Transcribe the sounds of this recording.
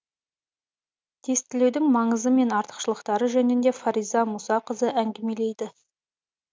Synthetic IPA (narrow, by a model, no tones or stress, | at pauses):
d̪̥ʰe̞st̪ɪlewd̪ɪŋmɑɴəzəme̞nɑɾt̪ə̥qʃəlˠəqt̪ɑɾəʒɵnɪnd̪e̞faɾijzɑmusɑqəzəæŋɡʲeme̞lejd̪ɪ